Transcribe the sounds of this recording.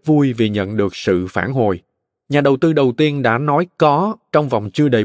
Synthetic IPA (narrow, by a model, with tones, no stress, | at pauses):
vu˧jvi˨˩ɲə̰˧˨nɗɨ˨˩ək̚sɨ̰˧˨faː˧˩nɦo̰˧˨˩j | ɲaː˨˩ɗə˨˩wt̪ɨ˧ɗə˨˩wt̪i˧ənɗa̰ː˧˥nɔ˨˦jkɔ˨˦t͡ɕɔ˧wŋ͡mva˨˩wŋ͡mt͡ɕɨ˧əɗə˨˩